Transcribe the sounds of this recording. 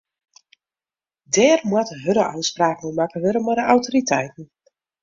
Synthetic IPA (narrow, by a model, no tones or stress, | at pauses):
dɛːrmwatɦøɾəʔœɥtspraːknomakəɦøɾəmɔdəʔawtoritʰɛ̰jtn̩